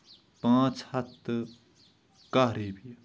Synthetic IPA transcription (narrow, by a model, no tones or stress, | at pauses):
p̪aŋt͡sʰat̪ːə | kaɾepi